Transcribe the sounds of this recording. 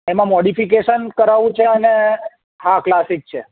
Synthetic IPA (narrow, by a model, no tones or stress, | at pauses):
emãmoɽifik̬eʃənkəɾaʋũt͡ʃʰeəne | ɦãklasik̚t͡ʃʰe